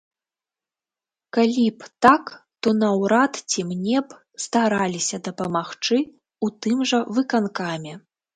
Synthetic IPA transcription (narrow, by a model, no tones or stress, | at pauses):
kalʲipt̪akt̪ɔnɐwɾat̪t͡sʲimnʲɛp | st̪aɾalʲisʲɐd̪ɐpɐmaxt͡ʂɨ | ut̪ɨmʐɐvɨkankamʲɛ